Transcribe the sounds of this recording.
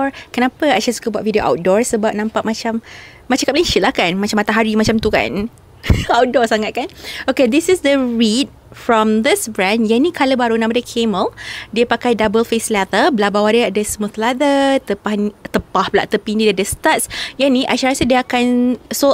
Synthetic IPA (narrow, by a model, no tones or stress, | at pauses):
kənãpəaʃasu̥kəbuat̪̚vidioʔa̰wt̪̚dɔɹsəbap̚nãmpaʔ̚mat͡ʃamː | at͡ʃakap̚laĩʃit̪lahkanmat͡ʃamːat̪ãɦaɾimat͡ʃamt̪uka̰n | awt̪̚dɔrsaŋat̪̚kanoked̪isɪsdəɹid̚ | fɹɔ̃md̪ɪsbɹɛ̃njanikʰaləbaɾunãmadəkʰeməldiəpakajdabəlfeslat̪əbəlabawadiəadəsmuθlad̪ət̪əpahnt̪əpahpəlaʔt̪əpindidadəst̪atsjanĩʔaʃaɾasədiəakanso